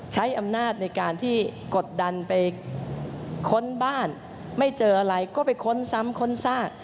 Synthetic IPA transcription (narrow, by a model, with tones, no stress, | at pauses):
t͡ɕʰa˦˥jʔa˧mnaː˥˩t̪̚na˧jkaː˧nt̪ʰiː˥˩ko˨˩t̪̚da˧npa˧j | kʰo˦˥nbaː˥˩n | ma˥˩jt͡ɕɤː˧ʔa˧ɾa˧jkɔː˥˩pa˧jkʰo˦˥nsa˦˥mkʰo˥˩nsaː˥˩k̚